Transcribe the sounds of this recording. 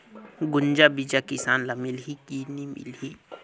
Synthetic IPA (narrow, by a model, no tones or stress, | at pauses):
ɡʊɲd͡ʒabid͡ʒakɪsaːnlamilɦikinimɪ̰lɦi